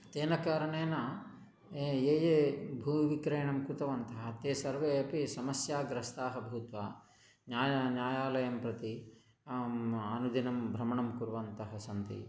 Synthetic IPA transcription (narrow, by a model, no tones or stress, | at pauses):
t̪eːnɐkaːɾɐɳeːnɐ | eeːjeːbʱuːʋikɾeːɳɐmkɾut̪ɐʋɐnt̪ɐɦɐ̆t̪eːsɐɾʋeːɐpisɐmɐsjaːɡɾɐst̪aːɦɐbʱuːt̪ʋaː | njaːjɐnjaːjaːlɐjɐmpɾɐt̪i | aːnud̪ʱinɐmbʱɾɐmɐɳɐmkuɾʋɐnt̪ɐɦɐsɐnt̪ḭ